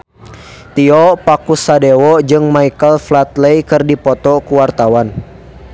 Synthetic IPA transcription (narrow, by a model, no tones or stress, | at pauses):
t̪iɔpakusadɛwɔd͡ʒɨŋmaikəlflat̪lɛjkɨrdipɔt̪ɔkuwart̪awan